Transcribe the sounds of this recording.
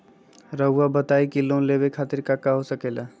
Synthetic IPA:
ɾəɦuabət̪ajkilonlebekʰat̪iɾkakːaɦosəkela

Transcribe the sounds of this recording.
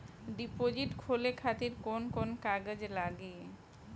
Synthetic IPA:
ɖipod͡ʑiʈkʰolekʰat̪iɾkonkonkaɡed͡ʑlaɡi

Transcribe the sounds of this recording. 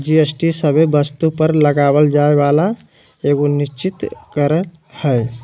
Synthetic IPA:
d͡ʒiesʈisəbebəst̪upəɾləɡabəld͡ʒaebala | eɡonist͡ʃit̪kəɾə | həj

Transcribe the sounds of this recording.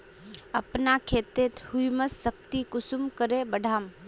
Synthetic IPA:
əpnakʰeːt̪et̪hujməsːəkt̪ikʊsumkəɾebəɖʱaːm

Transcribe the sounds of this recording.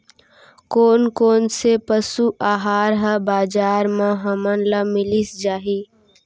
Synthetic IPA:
koːnkoːnsepəsuʔaːɦaːɾɦəbaːd͡ʒaːɾmãɦɐmənlamɪlisd͡ʒaːɦi

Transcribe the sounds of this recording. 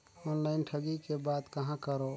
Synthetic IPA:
ɔnlaɪnʈʰəɡikebad̪kəɦãkəɾo

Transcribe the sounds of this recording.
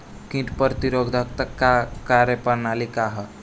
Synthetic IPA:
kĩʈpəɾt̪iɾoɡd̪ʱəkt̪əkːakaɾəpəɾnalikaɦə

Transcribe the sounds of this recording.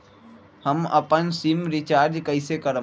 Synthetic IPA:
həmɐ̰pənsimɾɪt͡ʃaːɾd͡ʒkəɪsekəɾə

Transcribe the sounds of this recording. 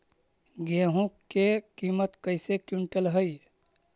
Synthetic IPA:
ɡeɦũ | ekimət̪kəjsekjuɳʈəlɦəj

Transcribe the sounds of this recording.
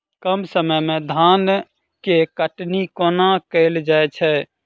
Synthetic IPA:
kəmsəməjmẽd̪ʱan | kekəʈnikonakəɪld͡ʒaet͡ʃʰɛ

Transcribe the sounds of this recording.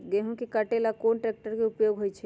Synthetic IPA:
ɡeɦũkikəʈelakonʈɾek̚ʈəɾkeupjoɡɦojt͡ʃʰɛ

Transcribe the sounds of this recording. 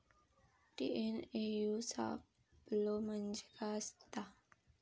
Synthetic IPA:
ʈḭʔenejusa̰ | blomənd͡ʒekast̪a

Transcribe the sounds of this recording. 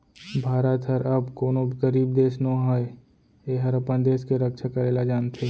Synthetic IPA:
bʱaːɾət̪ɦəɾɐbkoːnobkəɾiːb̚d̪eːsnoɦae | eːɦɐɾɐpənd̪eːskeɾəkʃʰakəɾeːlad͡ʒaːnt̪ʰeː

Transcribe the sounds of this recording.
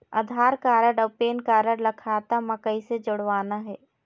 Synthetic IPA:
ɐ̰d̪ʱaːɾkaːɾəɽəpeːnkaːɾəɽlɐkʰaːt̪amɐkəised͡ʒʊɽʋaːnaɦɛː

